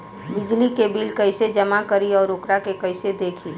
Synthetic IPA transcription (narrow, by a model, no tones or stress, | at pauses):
bɪd͡ʒlikebilkəɪsed͡ʒəmakəɾiɔːɾʊkɾakekəɪsed̪eːkʰi